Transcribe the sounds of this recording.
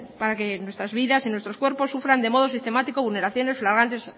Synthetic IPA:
paɾake̞nwe̞st̪ɾazβiðasinwe̞st̪ɾo̞skwe̞ɾpo̞sːufɾand̪e̞mo̞ð̞o̞sist̪e̞mat̪iko̞βulne̞ɾaθjo̞ne̞sflaɾɣ̞ant̪e̞s

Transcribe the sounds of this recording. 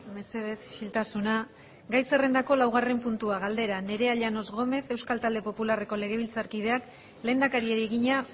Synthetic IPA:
me̞se̞ð̞e̞sʃilt̪asuna | ɡajse̞re̞nd̪ako̞lawɣ̞are̞mpunt̪uaɣald̪e̞ɾane̞ɾe̞aʎano̞zɣo̞me̞θe̞wskalt̪ald̪e̞po̞pulare̞ko̞le̞ɣ̞e̞β̞ilt͡saɾkið̞e̞ak | le̞ːnd̪akaɾieɾieɣiɲa

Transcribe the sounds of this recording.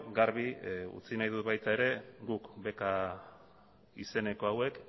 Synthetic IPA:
ɡaɾβiṵt͡sinajðut̪̚βajt̪ae̞ɾe̞ɡukbe̞ka | ise̞ne̞ko̞awe̞k

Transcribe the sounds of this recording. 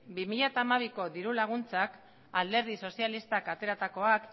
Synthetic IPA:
bimiʎat̪aːmaβ̞iko̞ðiɾulaɣ̞unt͡sak | ald̪e̞ɾð̞iso̞sialist̪akat̪e̞ɾat̪ako̞ak

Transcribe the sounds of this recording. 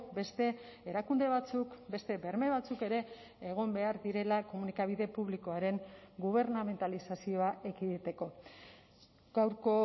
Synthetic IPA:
be̞st̪e̞eɾakund̪e̞βat͡sukbe̞st̪e̞be̞ɾme̞β̞at͡suke̞ɾe̞ː | ɣ̞o̞mbe̞aɾðiɾe̞lako̞munikaβ̞iðe̞puβ̞liko̞aɾe̞ŋɡuβ̞e̞ɾname̞nt̪alisasio̞aʔekiðit̪e̞ko̞ | ɡawɾko

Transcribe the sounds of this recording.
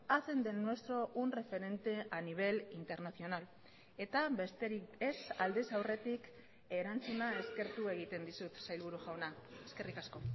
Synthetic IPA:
ase̞nd̪e̞nːwe̞st̪ɾo̞ʔunre̞fe̞ɾe̞nt̪e̞aniβ̞e̞lint̪e̞ɾnaθio̞nal | e̞t̪aest̪eɾiesald̪e̞sawre̞t̪ik | e̞ɾant͡sunae̞ske̞ɾt̪ue̞ɣ̞it̪e̞nd̪isut̪sajlβuɾuʝawnae̞ske̞rikasko̞

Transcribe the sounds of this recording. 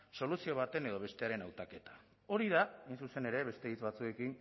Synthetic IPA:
so̞lusio̞β̞at̪e̞ne̞ð̞o̞β̞e̞st̪e̞aɾenawt̪ake̞t̪ḁ | o̞ɾið̞aejnsuse̞ne̞ɾe̞βe̞st̪e̞it͡sβat͡sue̞kin

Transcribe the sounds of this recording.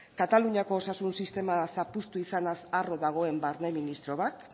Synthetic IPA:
kat̪aluɲako̞ːsasunsist̪e̞masapust̪uisanasaro̞ðaɣ̞o̞e̞mbaɾneminist̪ɾo̞β̞at̪

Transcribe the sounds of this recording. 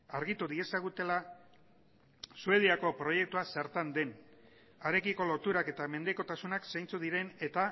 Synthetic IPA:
aɾɣit̪uðie̞saɣ̞ut̪e̞la | sue̞ð̞iako̞pɾo̞je̞k̚t̪uaseɾt̪and̪e̞n | aɾe̞kiko̞lo̞t̪uɾake̞t̪ame̞nd̪e̞ko̞t̪asunaksajnt͡suðiɾene̞t̪a

